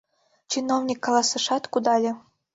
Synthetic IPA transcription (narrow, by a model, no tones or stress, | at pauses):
t͡ɕinownʲikːɑlˠɑsɤ̆ʂɑt̪kud̪ɑlʲɘ̆